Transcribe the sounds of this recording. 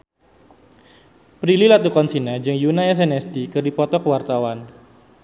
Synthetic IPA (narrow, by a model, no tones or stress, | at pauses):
pɾililat̪ukɔnsinad͡ʒɨŋjunaɛs̬ɛnɛstikɨrdipɔt̪ɔkəwart̪awan